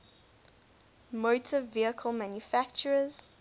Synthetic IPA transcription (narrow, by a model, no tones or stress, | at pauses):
motʰəviəkʰəlˠmãnjufækt͡ʃəɹəz̥